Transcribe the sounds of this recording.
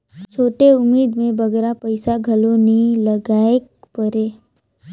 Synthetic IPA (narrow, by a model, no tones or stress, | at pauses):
t͡ʃʰoːʈeʊmeːd̪mẽbʱəɡɾapəjsaɡʱəloniləɡaekpəɾe